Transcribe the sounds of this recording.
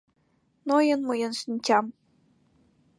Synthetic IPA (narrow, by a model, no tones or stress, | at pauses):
nojɤnmɤjɤ̆nʂinʲt͡ɕʲɑm